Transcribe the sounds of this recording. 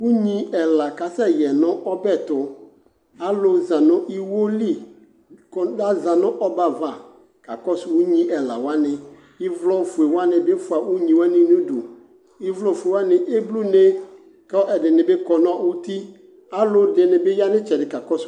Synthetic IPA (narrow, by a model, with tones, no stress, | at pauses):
wu˦ɲĩ˦ɛ˨la˨ka˨sɛ˦jɛ˨nʊ̃˦ʔɔ˦bɛ˦˨t̪ʊ˨ | a˦lo˦zã˨nʊ̃˦ʔi˦wo˦li˦ | kɔ˨da˦za˨nʊ̃˦ʔɔ˦ba˨va˨ | ka̰˨kɔ˦swu˦ɲĩ˦ʔɛ˨la̰˨wa˦nɪ̃˨ | ɪ˦vlɔ˦˨fu˨e˨wa˦nɪ̃˨be˦fʊ˨a˨wu˦ɲĩ˨wa˦nɪ̃˦nũ˦dṵ˨ | ɪ˦vlɔ˦˨fe˨wa˦nɪ̃˨ʔe˦blu˦ne˦ | kɛ˦ɛ˨dɪ˨nɪ̃˨be˦kɔ˨nʊ̃˦a˦˨wo˦t̪i˦ | a˦lʊ˦dɪ˨nɪ̃˨be˦ja˦nɪ̃˦t͡ʃɛ˨dɪ˨ka˨kɔ˦s